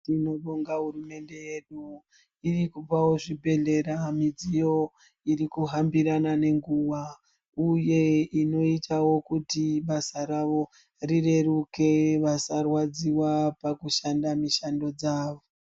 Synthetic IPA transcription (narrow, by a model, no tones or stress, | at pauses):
tino̞ɗoŋɡaɦuɾume̞nde̞jeɗu | irikupawo̞ʐibʱe̞ɮe̞ɾamid͡zijo̞ | iɾikuɦambiɾanane̞ŋɡuʋa | uje̞ino̞itʰawo̞kutiɓasaɾaʋo̞ | rire̞ruke̞ʋasarwad͡ziwapakuʃandamiʃando̞d͡zaːʋo